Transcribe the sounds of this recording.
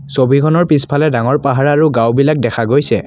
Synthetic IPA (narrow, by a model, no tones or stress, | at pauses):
sobʱikʰɔnɔɹpispʰalɛdaŋɔɹpaɦaɹaɹuɡawbilak̚dɛkʰaɡojsɛ